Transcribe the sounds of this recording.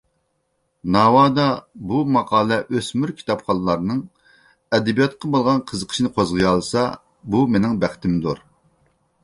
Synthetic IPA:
nɑːwɑːd̪ɑbumɑqʰɑːlˠɛʔøsmyɾkʲʰi̥t̪ɑpχɑnˠɨlˠɑɾnɨŋ | ɛd̪ɛbijɑt̪̚qʰɑbolˠʁɑnqʰəzəqʰəʃnɨqʰozʁəjɑlˠsɑ | bumenɪŋbæχt̪ʰɪmd̪uɾ

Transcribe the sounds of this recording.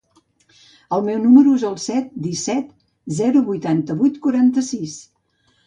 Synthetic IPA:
əlˠmɛwnuməɾuezəlˠsɛt̪̚d̪isɛt̪ | zɛɾuβujt̪ant̪əβujt̪kuɾant̪əsis

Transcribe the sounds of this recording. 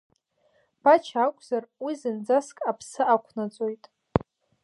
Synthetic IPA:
b̥at͡ʃʰakʷʼzarwizɨnd͡zaskʼapʰsɨakʷʰnat͡sʼo̞jtʼ

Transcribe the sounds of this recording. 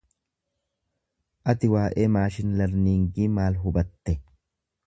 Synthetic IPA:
ʔɐt̪ɪwaːʔeːmaːʃɪnlɐɾniːŋɡiːmaːlɦʊbɐt̪ːɛ

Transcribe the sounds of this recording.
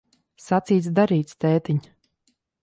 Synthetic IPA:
sat̪siːt̪sd̪aɾiːt̪st̪ɛːt̪iɲ

